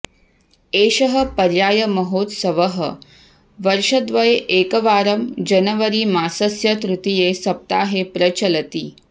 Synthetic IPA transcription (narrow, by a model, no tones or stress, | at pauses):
eːʃɐɦɐ̆pɐɾjaːjɐmɐɦoːt̪sɐʋɐɦɐ | ʋɐɾʃɐd̪ʋɐjeʔeːkɐʋaːɾɐmd͡ʒɐnɐʋɐɾimaːsɐsjɐt̪ɾut̪ijesɐp̚t̪aːɦepɾɐt͡ʃɐlɐt̪iː